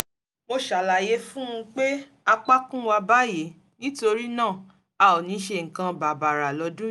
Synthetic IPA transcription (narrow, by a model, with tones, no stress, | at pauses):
mo˧ʃa˨la˨je˨˦fũ˦ũ˧k͡pe˦ | a˧k͡pa˦kũ˦wa˧ba˦˨je˨˦ | nĩ˦to˧ɾi˦nãː˦˨ | a˧˨o˨nĩ˨˦ʃe˧˨ŋ̩˨kã˧ba˨ba˨ɾa˨lɔ˧˦dũ˦